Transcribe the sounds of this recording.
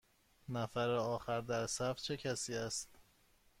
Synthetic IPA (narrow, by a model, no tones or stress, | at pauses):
næfæɾeɒːxæɾd̪æɾsæft͡ʃʰe̞cʰæsiːæst̪